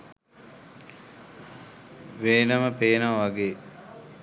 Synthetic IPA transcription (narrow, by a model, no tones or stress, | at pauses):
ʋeːnəməpeːnaʋʋaɡeː